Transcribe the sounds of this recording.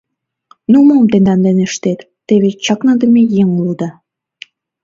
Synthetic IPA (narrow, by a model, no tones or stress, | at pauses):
numomt̪end̪ɑnd̪eneʃt̪et̪ːeβet͡ɕɑknɑd̪ə̆mejeŋulud̪ɑ